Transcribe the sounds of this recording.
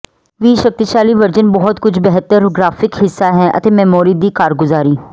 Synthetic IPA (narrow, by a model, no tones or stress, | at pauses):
ʋiːʃək̚t̪iʃaːliːʋəɾd͡ʒənbɔːʊt̪kʊt͡ʃʰbɛɦt̪əɾɡɾaːfɪkɦɪsːaːɦɛːʔə̰t̪eːmɛːmoːɾiːd̪iːkaːɾɡʊzaːɾiː